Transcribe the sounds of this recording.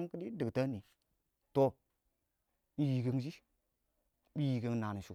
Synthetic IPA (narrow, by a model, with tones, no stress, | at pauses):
ŋkə˦di˦di˨ɡta˦ni˨ | to˨ | i˦˨ji˨ɡe˨ŋ˦d͡ʒi˦ | ɓi˦ji˨ɡe˨˦ŋ˦na˨ni˨su˨